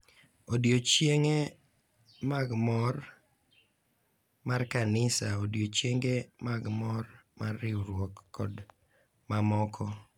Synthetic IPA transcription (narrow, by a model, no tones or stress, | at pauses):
odjot͡ʃjeŋe | maɡmɔr | markanɪsaodjot͡ʃjeŋɡemaɡmɔrmarːɪuɾwokːɔd | mamɔkʰɔ